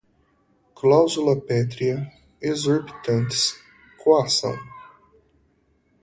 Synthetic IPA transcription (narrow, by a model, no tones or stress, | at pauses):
klawzulɐpɛt̪ɾiɐ | ezoɾbit̪ɐ̃nt̪ɪ̥s | kʰoasɐ̰̃w̃